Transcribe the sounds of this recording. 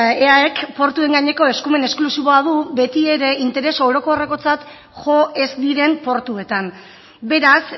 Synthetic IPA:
eaekpo̞ɾt̪ue̞ŋɡaɲe̞ko̞e̞skume̞ne̞sklusiβo̞að̞uβe̞t̪ie̞ɾe̞int̪e̞ɾe̞so̞ɾo̞ko̞reko̞t͡sat̪ | ʝo̞ʔe̞zd̪iɾe̞mpo̞ɾt̪ue̞t̪an | be̞ɾas

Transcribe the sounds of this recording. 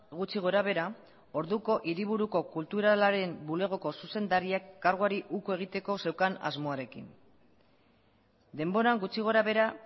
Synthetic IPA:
ɣut͡ʃiɣ̞o̞ɾaβe̞ɾa | o̞ɾðuko̞ʔiɾiβ̞uɾuko̞kult̪uɾalaɾe̞mbule̞ɣ̞o̞ko̞suse̞nd̪aɾiakːaɾɣ̞uaɾiʔukue̞ɣ̞it̪e̞ko̞se̞wkana̰zmo̞aɾe̞kḭn | d̪e̞mbo̞ɾaŋɡut͡ʃiɣ̞o̞ɾaβ̞e̞ɾa

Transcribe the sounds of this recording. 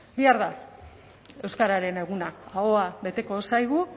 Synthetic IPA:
biaɾða | e̞wskaɾaɾe̞ne̞ɣ̞unaaoaβe̞t̪e̞ko̞sajɣu

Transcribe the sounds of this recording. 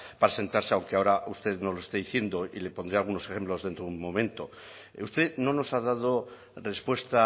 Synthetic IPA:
paɾase̞nt̪aɾseawŋkeao̞ɾaust̪e̞ðnoloest̪eðiθje̞nd̪o̞ile̞po̞nd̪ɾialɣunose̞xemplo̞zðe̞nt̪ɾounmõ̞mẽ̞nt̪o̞ | ust̪e̞no̞no̞sað̞að̞o̞ | re̞spwe̞st̪a

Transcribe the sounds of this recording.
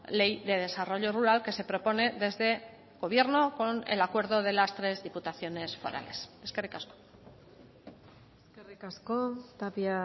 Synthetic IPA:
le̞jðe̞ð̞e̞saro̞ʎo̞ruɾalke̞se̞pɾo̞po̞ne̞ðe̞zðe̞ | ɣo̞β̞je̞ɾno̞ko̞ne̞̰lakwe̞ɾð̞o̞ð̞e̞last̪ɾe̞zðiput̪aθjo̞ne̞sfo̞̰ɾa̰le̞seske̞rikasko̥ | eskerikaskot̪apia

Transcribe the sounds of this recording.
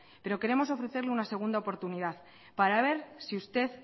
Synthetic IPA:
pe̞ɾo̞ke̞ɾe̞mo̞so̞fɾe̞θe̞ɾleunase̞ɣ̞und̪aopo̞ɾt̪uniðað | paɾaβ̞e̞ɾsiust̪e̞θ

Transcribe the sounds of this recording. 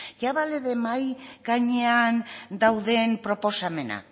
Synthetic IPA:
ʝaβaleðemajɡaɲe̞and̪awðe̞npɾo̞po̞same̞na̰

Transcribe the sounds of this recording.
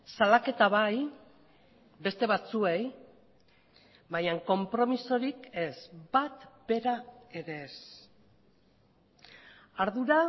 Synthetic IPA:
salake̞t̪aβaj | be̞st̪e̞βat͡sue̞j | βajaŋko̞mpɾo̞miso̞ɾike̞zbat̪be̞ɾae̞ɾe̞s | aɾðuɾa

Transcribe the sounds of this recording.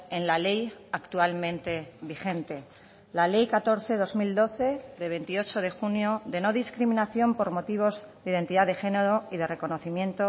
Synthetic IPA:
enlale̞jakt̪ualmẽ̞nt̪e̞βixe̞nt̪e̞ | lale̞jkat̪o̞ɾθe̞ðo̞zmild̪o̞θe̞ðe̞β̞e̞nt̪io̞t͡ʃo̞ð̞e̞xunjoðe̞no̞ðiskɾimĩnaθjo̞mpo̞ɾmo̞t̪iβ̞o̞z | ðiðe̞nt̪iðaðe̞xe̞neɾoiðe̞re̞ko̞no̞θimjẽ̞nt̪o

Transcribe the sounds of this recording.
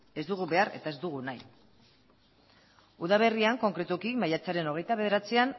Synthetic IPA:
e̞zd̪uɣ̞uβe̞are̞̰t̪ae̞zd̪uɣ̞unaj | uðaβ̞e̞riaŋko̞ŋkɾe̞t̪ukimajat͡saɾe̞no̞ɣe̞jt̪aβe̞ðe̞ɾat͡sian

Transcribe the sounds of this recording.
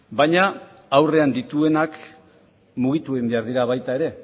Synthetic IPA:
bajɲa | awre̞and̪it̪ue̞nak | muɣ̞it̪uimbe̞aɾðiɾaβajt̪ae̞ɾe̞

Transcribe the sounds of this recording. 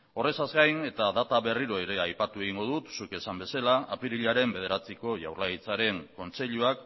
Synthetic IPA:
o̞re̞sazɡajne̞t̪aðat̪aβe̞riɾo̞eɾe̞ajpat̪ue̞ɣ̞iŋɡo̞ðut̪suke̞sambe̞salaapiɾiʎaɾe̞mbe̞ð̞e̞ɾat͡siko̞ʝa̰wrlaɣit͡saɾe̞ŋko̞nt͡se̞ʎuak

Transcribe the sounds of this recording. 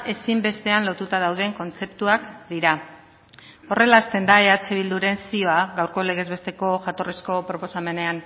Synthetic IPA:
e̞simbe̞st̪e̞anlo̞t̪ut̪að̞awð̞e̞ŋko̞nt͡se̞pt̪uakd̪iɾa | o̞re̞laːst̪e̞nd̪ae̞at͡seβ̞ild̪uɾe̞nsio̞aɣawɾko̞le̞ɣ̞e̞zβe̞st̪e̞ko̞ʝat̪o̞risko̞pɾo̞po̞same̞ne̞an

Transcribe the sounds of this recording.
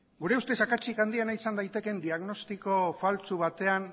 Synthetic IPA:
ɡuɾe̞ust̪esakat͡ʃikand̪ienaisand̪ajt̪e̞ke̞nd̪iaɣno̞st̪iko̞falt͡suβ̞at̪e̞an

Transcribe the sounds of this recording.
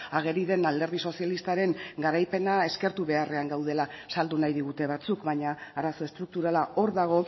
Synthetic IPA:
aɣ̞e̞ɾiðe̞nald̪e̞ɾð̞iso̞sijalist̪aɾe̞ŋɡaɾajpe̞nae̞ske̞ɾt̪uβe̞are̞aŋɡawð̞e̞la | sald̪unajð̞iɣut̪e̞β̞at͡sukβaɲaːɾaso̞e̞st̪ɾuk̚t̪uɾalao̞ɾðaɣ̞o̞

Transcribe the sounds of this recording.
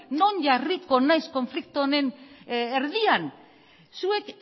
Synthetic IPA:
no̞nʝariko̞najsko̞ɱflik̚t̪uone̞neɾðian | sue̞k

